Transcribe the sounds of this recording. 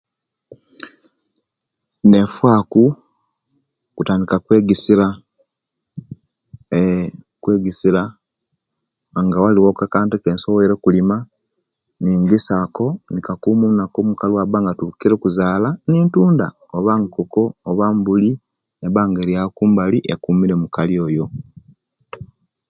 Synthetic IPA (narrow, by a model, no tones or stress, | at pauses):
ne̞fwaːku | kutaːndikakweːɡisiɾa | kweɡisiɾa | ŋɡawaliwokakaːntekeːnsowoiɾekulima | niŋɡisako̞nikakuːmunakomukaliwabaːŋɡatukiɾekuzaːlaniːntuːnda | oβaŋkoko̞ːβambuli | neβaːŋɡeɾjakuːmbaliʔekumiɾe̞mukalio̞ːjo̞